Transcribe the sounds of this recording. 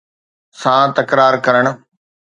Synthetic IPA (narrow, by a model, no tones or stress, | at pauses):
sãt̪ɐkɾaːɾkɐɾəɽ̃ʊ̆